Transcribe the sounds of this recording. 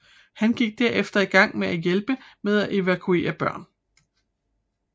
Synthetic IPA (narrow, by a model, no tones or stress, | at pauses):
hænɡ̥iɡ̥̚d̥æɐefd̥ɐiɡ̥ɑ̈ŋ̰meæjelb̥əmeð̞ˠæʔe̝ʋækʰue̝̰ːɐb̥ɶɐ̰n